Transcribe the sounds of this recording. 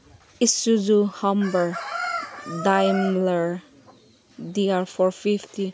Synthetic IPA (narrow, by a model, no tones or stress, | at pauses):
isud͡ʒuhʌmbəɹ | dajmləɹ | diaɹfɔɹfifti